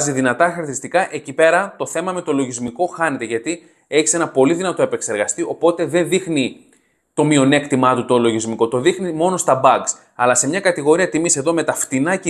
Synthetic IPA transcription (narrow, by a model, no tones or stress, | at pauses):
ziðinɐt̪ɐxɐɾθiist̪ikɐʔe̞cipe̞ɾɐt̪o̞θe̞mɐme̞t̪o̞lo̞ʝizmiko̞xɐne̞t̪e̞ʝɐt̪i | e̞çi̥se̞nɐpo̞liðinɐt̪o̞epe̞kse̞ɾɣɐst̪io̞po̞t̪e̞ðe̞nðixni | t̪o̞mio̞ne̞kt̪imɐt̪ut̪olo̞ʝizmiko̞t̪o̞ðixnimo̞no̞st̪ɐbɐɡs | ɐlɐse̞mɲɐkɐt̪iɣo̞ɾiɐt̪imise̞ðo̞me̞t̪ɐft̪inɐc